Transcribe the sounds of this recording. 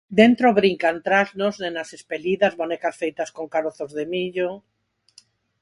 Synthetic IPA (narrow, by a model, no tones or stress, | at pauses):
d̪ent̪ɾoβɾiŋkant̪ɾaznoznenasespeliðazmonekasfejt̪askoŋkaɾoθozðemiʎo